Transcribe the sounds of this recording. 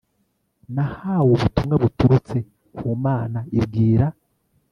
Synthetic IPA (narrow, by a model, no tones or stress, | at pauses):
nahaːwoβutumŋaβutuɾut͡se̞ | kuːmaːnaibɡiːɾa